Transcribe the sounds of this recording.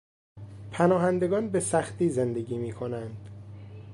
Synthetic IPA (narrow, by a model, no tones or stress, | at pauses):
pʰænɒːɦænd̪e̞ɡɒːnbe̞sæxt̪iːze̞nd̪e̞ɡiːmiːkʰo̞nænd̪̥